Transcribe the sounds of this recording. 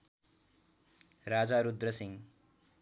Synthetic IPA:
rad͡zaɾud̪rʌsiŋ

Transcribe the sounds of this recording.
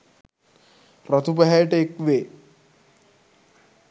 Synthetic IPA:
ɾət̪ʰupəɦajʈekʋe

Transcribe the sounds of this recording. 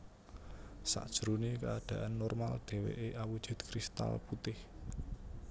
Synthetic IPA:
sa̰ʔd̥ʒ̥ɾunekəad̪̥ä̤ʔanːɔrmald̪̥e̤wḛʔeʔawud̥ʒ̥ṳt̪kɾist̪a̰lput̪ɪh

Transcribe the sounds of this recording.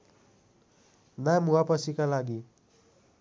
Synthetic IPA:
namuapʌsikalaɡi

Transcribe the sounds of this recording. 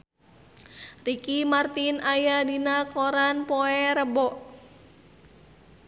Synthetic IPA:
rikimart̪inajadinakɔɾanpɔɛɾəbɔʔ

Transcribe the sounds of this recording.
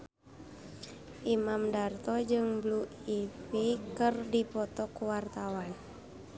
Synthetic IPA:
ʔimamdart̪ɔd͡ʒɨŋbluipikɨrdipɔt̪ɔkuwart̪awan

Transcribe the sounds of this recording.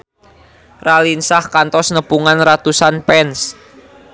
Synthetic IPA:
ralinsahkant̪ɔsnəpuŋanrat̪usanpɛns

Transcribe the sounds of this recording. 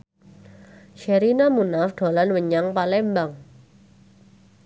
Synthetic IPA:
ʃɛɾinamunafɖ̪̥o̤lanwəɲaŋpalɛmbaŋ

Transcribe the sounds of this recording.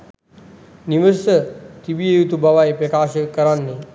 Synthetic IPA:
niməɾsət̪ibiejut̪ubaʋaepɾəkaːʃəkəɾanːi

